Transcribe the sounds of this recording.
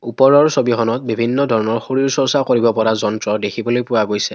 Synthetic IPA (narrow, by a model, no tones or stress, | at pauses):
upɔɹɔɹsobixɔnɔt̚bibʱinːɔdʱɔɹɔnɔɹxoɹiɹsɔɹsakoɹibɔpɔɹazɔntɹɔdekʰibɔlojpʊwaɡojsɛ